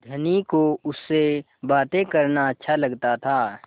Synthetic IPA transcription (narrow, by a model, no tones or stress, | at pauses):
d̪ʱɐnikoʊsːe | baːt̪ekɐɾnaɐtːʃʰalɐɡt̪at̪ʰaː